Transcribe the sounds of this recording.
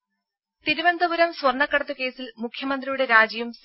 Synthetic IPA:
t̪iɾubɐnd̪ɐbuɾɐmswɐrɳːɐkːɐɽɐt̪ːuke̞ːsilmukʰjɐmɐnd̪rijuɽe̞ɾaːd͡ʑɐjums

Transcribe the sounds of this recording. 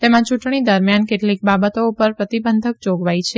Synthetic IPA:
t̪emãt͡ʃuʈɳid̪əɾmjankeʈlik̚babət̪oupəɾpɾət̪ibənd̪ʱək̚d͡ʒoɡʋajt͡ʃʰe

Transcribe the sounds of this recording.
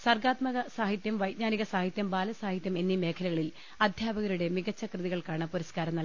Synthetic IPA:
sɐrɡaːt̪mɐɣɐsaːɦit̪jɐmʋɐjt̪̚ɲaːniɣɐsaːɦit̪jɐmbaːlɐsaːɦit̪jɐme̞nːime̞ːkʰɐlɐɣɐɭil | ɐd̪ʱjaːbɐɣɐɾuɽe̞miɣɐt͡ɕːɐkrɨðiɣɐɭkaːɳɨpuɾɐskaːɾɐmnɐl

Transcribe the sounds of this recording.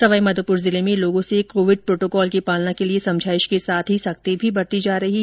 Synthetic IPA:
sɐʋaːimɐd̪ʱəpʊɾzɪlemẽloːɡõsekoːʋɪɖ̚pɾoːʈoːkɔːlkipaːlnakeliesɐ̃md͡ʒʱaːɪʃkesaːt̪ʰɦisɐkt̪ebʱibɐɽt̪id͡ʒaːɾɐɦiː

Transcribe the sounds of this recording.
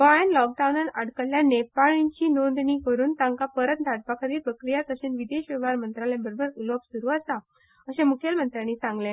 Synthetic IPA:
ʋaɭanlɔk̚ɖawnanəɽkəlljanepaɭiɲt͡ɕiːnond̪ɳiːkəɾuːnt̪ãŋkapəɾət̪̚d̪ʱaɽpakʰəɾiːɾpɾəkɾijat̪əɕeːnʋid̪eɕʋɛʋaɾmənt̪ɾalẽbəɾobʱəɾuləpsuɾuat͡sa | əɕẽmukʰelmənt̪ɾanisãŋɡlẽ

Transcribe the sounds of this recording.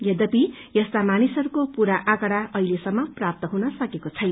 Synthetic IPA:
jʌd̪ʌpi | jʌst̪amanisʌɾukopuɾaʔakʌɽaʔʌilesʌmːʌprap̚t̪ʌɦunʌsʌkekot͡sʰʌjn

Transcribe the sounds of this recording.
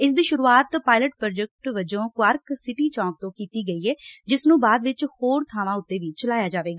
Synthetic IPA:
ɪsd̪iːʃʊɾuːaːt̪paːɪləʈpɾɔːd͡ʒək̚ʈʋɪd͡ʒõːkʋəɾksɪʈiːt͡ʃɔ̃ːk̚t̪õːkiːt̪iːɡəiːɛːd͡ʒɪsnũːbaːd̪ʋɪt͡ʃhoːɾt̪ʰaːʋãːʊt̪ːeːʋiːt͡ʃəlaːjaːd͡ʒaːʋeːɡaː

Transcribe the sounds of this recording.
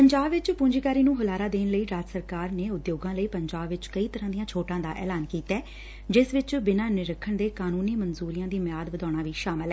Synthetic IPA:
pəɲd͡ʒaːbʋɪt͡ʃpʊ̃ɲd͡ʒkaːɾiːnũːɦʊlaːɾaːd̪eːnləiːɾaːd͡ʒsəɾkaːɾneːʊd̪joːɡãːləiːpəɲd͡ʒaːbʋɪt͡ʃkəiːt̪əɾãːd̪ijãːt͡ʃʰoːʈãːd̪aːʔɛ̰ːlaːnkiːt̪ɛː | d͡ʒɪsʋɪt͡ʃbɪnaːnɪɾəkʰːəɳd̪eːkaːnũːniːmənzuːɾɪjãːd̪iːmjaːd̪ʋəd̪aːɽ̃aːʋiːʃaːmɪlɛ

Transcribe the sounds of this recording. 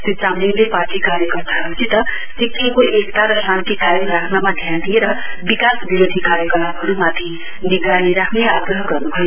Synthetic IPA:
sit͡samliŋleparʈikaɾjʌkʌrt̪aɦʌut͡sʰit̪ʌ | t̪ikːikoekt̪aɾʌsant̪ikajoɾakʰnamad̪ʱjant̪ieɾʌbikasbiɾod̪ʱikaɾjʌkʌt̪apɦʌɾumat̪ʰi | niɡɾaniɾakʰneaɡrʌɦʌɡʌrnubʱʌj

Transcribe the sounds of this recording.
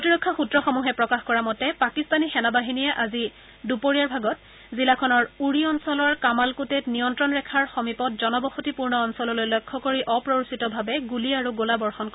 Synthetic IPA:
kkotiɹɔkʰːaxutɹɔxɔmuɦɛpɹɔkaxkɔɹamɔtɛpakistanixɛnabaɦinijɛʔazi | dupoɹijaɹbʱaɡɔt | zilakʰɔnɔɹuɹiɔnsɔlɔɹkamalkutetnijɔntɹɔnɹɛkʰaɹxɔmipɔt̚zɔnɔbɔxutipuɹnɔːnsɔlɔlojlɔjkʰːɔkoɹiʔɔpɹoɹusitɔbʱabɛɡuliaɹuɡolabɔɹxɔnk

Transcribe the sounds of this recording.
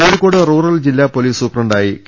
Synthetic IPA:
oːɽikʲːoːɽɨruːrɐld͡ʑilːapoliːsuːprɐɳɖaːjik

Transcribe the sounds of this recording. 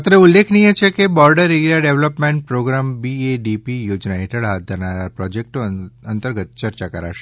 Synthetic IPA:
t̪ɾeulːekʰnijet͡ʃʰekebɔɾɖəɾiɡlaɖeʋləpmẽɳʈ̚pɾoɡɾambieɖipijod͡ʒnaɦeʈʰəɭɦat̪̚d̪ʱəɾnaɾapɾɔd͡ʒek̚ʈoənt̪əɾɡət̪̚t͡ʃəɾt͡ʃakəɾa̰ʃe̥

